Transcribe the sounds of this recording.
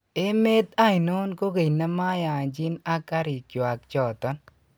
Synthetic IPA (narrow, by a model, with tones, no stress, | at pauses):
e˦me˦ta˦ɪ˨no˦nko˦ke˨jna˦ma˦ja˨ɲd͡ʒɪ˦na˦ka˦ɾɪ˨kjo˨a˨k̚t͡ʃɔ˨tɔ˦n